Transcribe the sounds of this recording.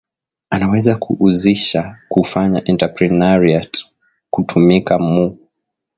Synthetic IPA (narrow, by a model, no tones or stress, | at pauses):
anawɛzakʰuʔːziʃakufaɲaʔɛntapɾinaɾiat | kutʰumikamu